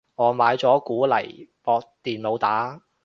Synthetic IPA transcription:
ŋɔː˨˧maː˨˧jt͡sɔː˨˥kuː˨˥lɐ̰˨˩jpɔː˧k̚t̪iː˨nlo˨˧wt̪aː˨˥

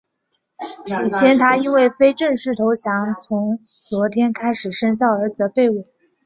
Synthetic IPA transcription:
t͡ɕʰi˨˩ɕjɛ˥nt̪ʰa˥i˥nwe˥˩ɪfe˥ɪʈ͡ʂə˥˧ŋʂɻ̩˥˩t̪ʰo˧˥ʊɕjɑ˧˥ŋt͡sʰʊ˧˥ŋt͡swɔ˧˥t̪ʰjɛ˥nkʰa˥ɪʂɻ̩˨˩ʂə˥ŋɕ̬jɑ˥˩ʊə˞˧˥d͡z̩˩˧ə˦pe˥˩ɪu˥˩˦

